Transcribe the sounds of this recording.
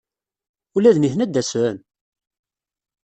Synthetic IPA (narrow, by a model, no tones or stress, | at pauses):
ulæðniθnæd̪ːæsɾæn